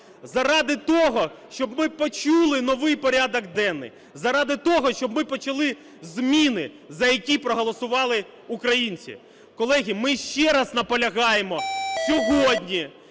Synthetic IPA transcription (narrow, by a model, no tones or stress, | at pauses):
zɐɾɑd̪ɪt̪ɔɦɔʃt͡ʃɔbmɪpɔt͡ʃulˠɪnɔʋɪjpɔɾʲad̪ɔɡd̪ɛnːɪ̰j | zɐɾɑd̪ɪt̪ɔɦɔʃt͡ʃɔbmɪpɔt͡ʃɐlˠɪ | zmʲinɪ | zɐjɐkʲipɾɔɦɔlˠɔsʊʋɑlˠɪ | ukɾɐjinʲt͡sʲḭ | kɔlˠɛɦʲimɪʃt͡ʃɛɾɐznɐpɔlʲɐɦɑjemɔsʲɔɦɔdʲnʲi